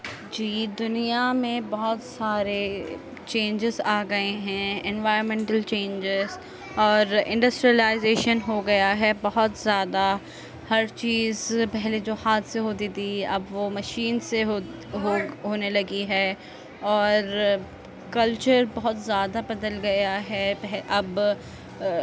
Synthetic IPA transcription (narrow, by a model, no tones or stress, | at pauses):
d͡ʒiːd̪ʊnijamẽbɔɦʊt̪saːɾe | t͡ʃẽːɲd͡ʒɪzaːɡɐeɦɛ̃ɛ̃nʋaːɪɾəmɛ̃ɳʈəlt͡ʃẽːnd͡ʒɪz | ɔːɾɪ̰̃ɳɖɐsʈɾijəlaːɪzeːʃənɦoɡɐjaɦɛbɐɦʊt̪zjaːd̪a | hɐɾt͡ʃiːzpɛɦled͡ʒoːhaːt̪seɦoːd̪id̪iɐ̰bʋomɐʃiːnseɦ | ɦoɦoːnelɐɡiɦɛː | ɔːɾ | kɐlt͡ʃəɾbɐɦʊt̪zjaːd̪abɐd̪əlɡɐjaɦɛɛɦʔɐb